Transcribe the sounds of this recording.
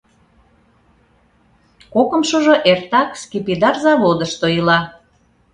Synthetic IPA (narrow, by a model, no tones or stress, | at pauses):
kokə̆mʃoʒoʔert̪ɑkskipid̪ɑrzɑβod̪əʃt̪ojəlɑ